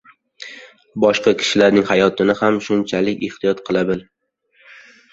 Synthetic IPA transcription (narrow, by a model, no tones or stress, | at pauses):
bɒʃqɑkʲʰɪ̥ʃɪlaɾnɪŋhajɒt̪ʰɪnɪhamʃʊnt͡ʃʰalɪkʲɪ̰ht̪ʰɪjɒt̪qʰɨlˠabɪl